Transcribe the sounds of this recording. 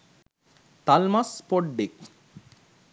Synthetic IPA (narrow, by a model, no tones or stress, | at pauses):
t̪almɐspoɖːik̚